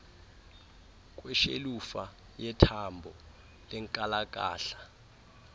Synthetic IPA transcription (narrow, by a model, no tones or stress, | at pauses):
k̬ʼwɛʃḛlufa | jɛtʰambʱɔ | lɛŋkʼalak̬ʼa̰ːɬḁ